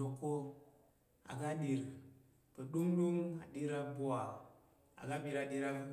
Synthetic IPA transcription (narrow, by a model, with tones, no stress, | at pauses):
o˨ko˦ | a̰˨ɡa˦ɗi˨ɾ | pə˨ɗu˦ŋɗu˦ŋa̰˨ɗi˦ɾa˦bu˦wa˨ | a̰˨ɡa˦bi˨ɾa˨ɗi˦ɾa˦